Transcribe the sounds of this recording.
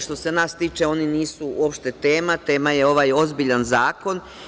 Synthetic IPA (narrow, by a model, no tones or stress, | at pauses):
ʃt̪o̞se̞naːst̪iːt͡ʃe̞o̞niniːsuṵo̞pʃt̪e̞t̪e̞ːmat̪e̞ːmaje̞o̞ʋaːjo̞zbiʎanzaːko̞n